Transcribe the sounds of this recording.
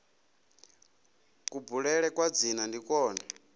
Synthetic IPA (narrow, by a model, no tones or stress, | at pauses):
kubuɺɛɺɛkwad͡zinandikɔːna